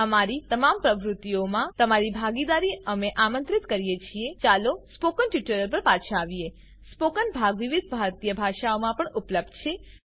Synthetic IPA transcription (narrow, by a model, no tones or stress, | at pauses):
əmaɾit̪əmampɾəʋɾut̪iomãt̪əmaɾibʱaɡid̪aɾiəmeʔamənt̪ɾit̪kəɾijet͡ʃʰiet͡ʃalospokənʈiʈuɾəlpəɾpat͡ʃʰãaʋie | spokənbʱaɡʋiʋid̪̚ʱbʱaɾt̪ijəbʱaʃaomãpəɳupləb̚d̪t͡ʃʰe